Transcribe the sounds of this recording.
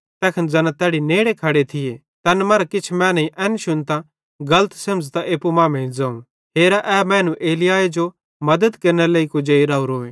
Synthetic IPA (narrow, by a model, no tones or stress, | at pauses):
t̪ɛːkʰənd͡zɐnãt̪ɛːɽineːɽekʰɐɽet̪ʰɪje | t̪ɛːnmɐɾakɪt͡ʃʰmɛ̃ːnɐĩʔɛːnʃʊnt̪ã | ɡɐlət̪sɐmd͡zt̪aʔeːpumãːmẽːĩd͡zaːũ | ɦeːɾaʔɛːmɛ̃ːnũʔeːlɪjaːed͡ʒo | mɐd̪əd̪kɐɾnɛleːikʊd͡ʒeiɾaːɾoːẽ